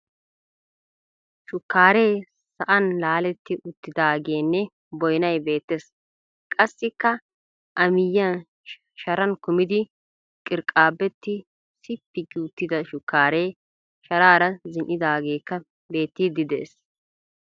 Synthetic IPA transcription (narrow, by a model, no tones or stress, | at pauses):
ʃʊkːaːɾe̞ː | sɐʔɐnlaːlɛt̪ːɪʔʊt̪ːɪd̪aːɡe̞ːnːɛ | bɔjnɐjbe̞ːt̪ːes | kʼɐsːɪkːɐ | ʔɐmɪjːɐn | ʃɐɾɐnkʊmɪd̪ɪ | kʼɪɾkʼːaːbːɛt̪ːɪ | sɪpːɪɡuːt̪ːɪd̪ɐʃʊkːaːɾeː | ʃɐɾaːɾɐzɪnʔɪd̪aːɡe̞ːkːɐ | be̞ːt̪ːid̪ɪd̪ḛːs